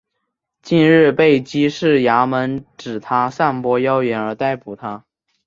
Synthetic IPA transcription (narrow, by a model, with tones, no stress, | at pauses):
t͡ɕi˥˧nɻɻ̩˥˧pe˥˩ɪt͡ɕi˥ʂɻ̩˥˩ja˧˥mə˧˥nʈ͡ʂɻ̩˨˩t̪ʰa˥sa˥˩npwɔ˥jɑ˥ʊjɛ˧˥nə˞˧˥t̪a˥˩ɪpu˨˩t̪ʰa˥